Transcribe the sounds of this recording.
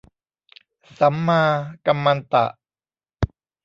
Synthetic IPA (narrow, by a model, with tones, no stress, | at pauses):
sa˩˦mːaː˧ka˧mːa˧nt̪a̰˨˩ʔ